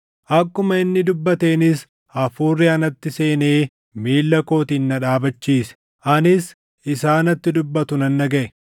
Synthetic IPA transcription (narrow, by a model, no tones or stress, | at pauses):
ʔɐkːʊmɐɪnːɪd̪ʊbːɐt̪e̞ːnɪs | ɐfuːrːɪɐnɐt̪ːɪse̞ːneː | miːlːɐko̞ːt̪iːnːɐᶑaːbɐt͡ʃːiːsɛ̥ | ʔɐnɪs | ɪsaːnɐt̪ːɪd̪ʊbːɐt̪ʊnɐnːɐɡɐʔɛ